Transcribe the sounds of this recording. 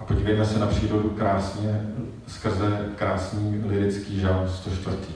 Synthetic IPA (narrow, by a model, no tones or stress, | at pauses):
ʔapo̞ɟiːvɛjmɛsɛnapr̝̥iːɾo̞dukɾaːsɲɛ | skr̩zɛkɾaːsɲiːlɪɾɪt͡skiːʒanst̪o̞ʃt̪vr̩t̪iː